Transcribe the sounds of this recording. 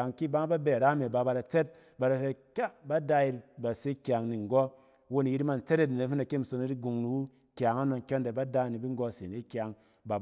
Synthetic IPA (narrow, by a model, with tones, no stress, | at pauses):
a˨ŋki˦˨ba˦ŋ˦ba˦be˨ɾa˦me˨ba˧ba˧da˨t͡se˦t̚ | ba˧da˧fe˧kʲa˦ba˦da˦ji˧ba˨se˦kʲa˨ŋni˨ŋ˨ɡo˦ | wo˦ni˨ji˦ɾi˦ma˧n̩˨t͡se˦ɾe˦ni˨ne˨˦fi˦na˨ke˦m̩˨so˧ni˦ɾi˦ɡu˧ŋnu˨wu˦ | kʲa˨ŋa˦no˧ŋkʲo˦nde˨ba˦da˦˨ni˨bi˦ŋ˦ɡo˧˨se˨ni˦kʲja˨ŋ | ba˨